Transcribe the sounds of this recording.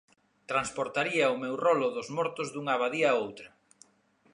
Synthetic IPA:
t̪ɾanspoɾt̪aɾiɐʊmewrɔlʊðʊzmɔɾt̪ʊzðuŋaβaðiɐːowt̪ɾɐ

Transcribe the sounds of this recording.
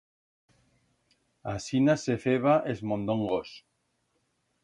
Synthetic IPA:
asinasefeβaʔezmõnd̪oŋɡos

